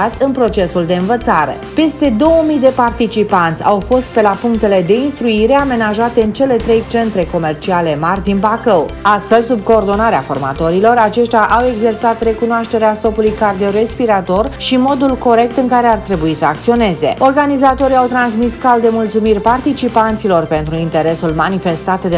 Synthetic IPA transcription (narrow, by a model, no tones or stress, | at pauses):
at̪sʲɨnpɾo̞t͡ʃe̞suld̪e̞ɨnvət̪saɾḛpe̞st̪e̞d̪o̞wəmijd̪e̞part̪it͡ʃipant̪sʲa̰wfo̞st̪̚pe̞lapuŋk̚t̪e̞le̞d̪e̞inst̪ɾuiɾeame̞naʒat̪e̞ɨnt͡ʃe̞le̞t̪ɾe̞jt͡ʃe̞nt̪ɾe̞ko̞me̞rt͡ʃiale̞marʲd̪inpakəwast̪fe̞lsub̚ko̞ːrd̪o̞naɾeafo̞̰rma̰t̪o̞ɾilo̞ɾat͡ʃe̞ʃt̪ʲjaʔawe̞ɡze̞rsat̪re̞kunoaʃt̪e̞ɾeast̪o̞pulujkard̪iowre̞spiɾat̪o̞rʃimo̞d̪ulko̞ɾe̞k̚t̪ɨŋkaɾe̞art̪ɾe̞buisəak̚t̪sio̞ne̞ze̞̰o̞rɡanizat̪o̞ɾiawt̪ɾans̬miskald̪e̞mult̪sumirʲpart̪it͡ʃipant̪silo̞rpe̞nt̪ɾuint̪e̞ɾe̞sulmanife̞st̪at̪d̪e